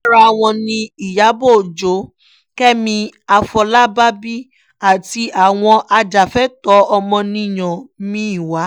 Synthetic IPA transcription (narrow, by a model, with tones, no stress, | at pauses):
ɾa˧˨w̃ɔ̃˧nĩ˧i˨ja˨˦bo˦˨d͡ʒo˨˦ | kɛ˦mĩ˧a˧fɔ˧la˦ba˦bi˦ | a˦˨ti˧ʔa˨w̃ɔ̃˧ʔa˧d͡ʒa˨fɛ˦tɔ˨˦ɔ˧mɔ̃˧nĩ˧˨j̃ɔ̃˨mĩ˦i˨wa˨˦